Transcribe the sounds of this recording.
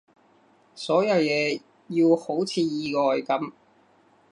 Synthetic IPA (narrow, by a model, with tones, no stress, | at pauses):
sɔː˨˥jɐ˧wjɛː˨˧ | jiː˧who˨˥wt͡sʰiː˨˧jiː˨˧kɔː˨jkɐ˨˥m